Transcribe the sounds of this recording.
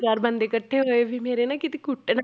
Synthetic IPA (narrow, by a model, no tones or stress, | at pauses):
ɾaːɾbə̃nd̪ekəʈʰːeɦɦoːeʋʱimeːɾenakɪt̪ekʊʈːen